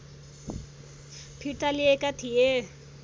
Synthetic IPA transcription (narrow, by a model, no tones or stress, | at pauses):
pʰiʈaliekat̪ʰije